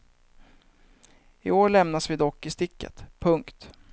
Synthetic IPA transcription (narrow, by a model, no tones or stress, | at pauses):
ɪoːɭɛmnasvɪd̪ɔkːɪst̪ɪkːə̰t̪pʰɵŋkt̪